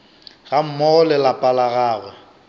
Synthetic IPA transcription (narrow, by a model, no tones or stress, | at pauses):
ɣam̩mɔɔlɛlapʼalaɣaːɣwɛ